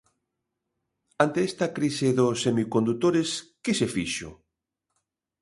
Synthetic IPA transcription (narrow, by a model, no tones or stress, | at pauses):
ant̪eɛst̪ɐkɾiseðosemikond̪ut̪oɾeskesefiʃʊ̰